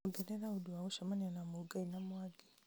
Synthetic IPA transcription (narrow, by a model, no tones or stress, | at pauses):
uɡeɾeɾauduwauʃamananamuuɡainamwaɡi